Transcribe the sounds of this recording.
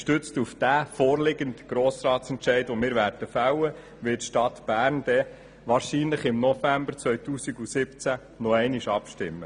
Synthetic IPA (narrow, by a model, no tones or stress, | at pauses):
ʃtʏt͡stufd̥æfoːrlɪɡəntɡ̥ɾoːsɾɑːtsɛntʃɛɪdʋomɪːɾʋæːɾd̥əfawə | ʋɪtʃtɑtb̥æːɾnd̥ɛ | ʋɑːɾʃiːnləχɪmnɔfæmbəɾt͡sʋœɥt̪uːsiɡusɪpt͡sæ | nɔɛɪniʃɑpʃtɪmːə